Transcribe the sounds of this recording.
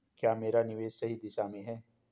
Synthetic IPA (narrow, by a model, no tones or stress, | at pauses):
kjaːmeːɾanɪʋeːʃsɐɦid̪ɪʃamẽɦɛː